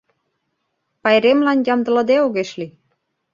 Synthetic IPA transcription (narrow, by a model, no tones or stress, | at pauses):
pɑjɾemlɑnjɑmd̪ɤ̆lɤ̆d̪eoɣeʃli